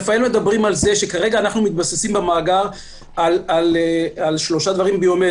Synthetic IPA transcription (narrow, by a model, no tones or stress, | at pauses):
faelme̞d̪abʁimalze̞ʃe̞kaʁeɡaːnaχnumit̪̚basesimbemaːɡaʁ | alalalʃlo̞ʃad̪vaʁimbejome